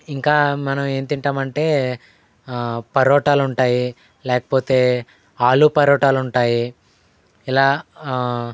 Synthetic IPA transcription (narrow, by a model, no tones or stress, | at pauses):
iŋkaːmɐnɐme̞ːnt̪iɳʈaːmɐɳʈe̞ː | pɐɾɔːʈaːluɳʈaːji | lɛːkɐ̥po̞ːt̪e̞ː | aːlupɐɾɔːʈaːluɳʈaːji | ilaː